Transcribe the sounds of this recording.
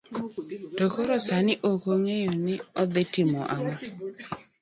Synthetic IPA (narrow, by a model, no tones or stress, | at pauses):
dokoɾɔsanɪʔokoŋejonɪɔd̪ɪtɪmɔ̰ʔama